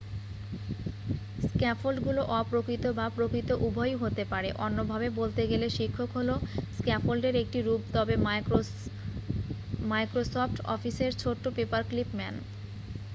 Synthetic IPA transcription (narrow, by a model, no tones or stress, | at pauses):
skɛfʰolɖɡuloʔɔpɾokɾit̪obapɾokɾit̪oʔubʱɔjɦot̪epaɾeʔɔnːobʱabebolt̪eɡeleʃikʰːokɦoloskɛfolɖeɾek̚ʈiɾubt̪ɔbe | majkɾosɔfʈɔ̰fiseɾt͡ɕʰoʈːopepaɾklipmɛn